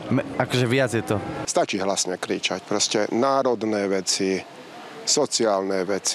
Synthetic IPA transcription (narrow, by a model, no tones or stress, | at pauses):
mɛakɔʒɛʋɪad͡zjɛt̪ɔst̪at͡ʃiːɦlasɲɛkɾiːt͡ʃa̰cpɾɔscɛnaːɾɔd̪nɛːʋɛt͡si | sɔt͡siaːlnɛːʋɛt͡si̥